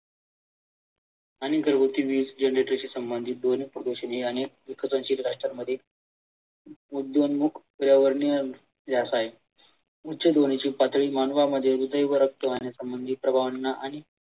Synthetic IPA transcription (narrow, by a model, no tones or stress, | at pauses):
añiɡəɾɡut̪iːʋiːd͡zd͡ʑenɾeʈəɾt͡ɕiːsəmbənd̪ʱit̪̚d̪onipɾod̪oɕənɦiəñek̚ikʰːət͡sə̃nɕiɾɾaʂʈɾaməd̪ʱːje | ud̪jonmukʰkəɾjaʋəɾɳjə | d͡ʑasae | utːɕəd̪onit͡ɕiːpat̪ɭiːmanʋaməd̪ʱːjeɾud̪ʱəjʋəɾək̚t̪eʋanjasəmbənd̪ʱiːpɾəbʱaʋənːaʔaɽ̃i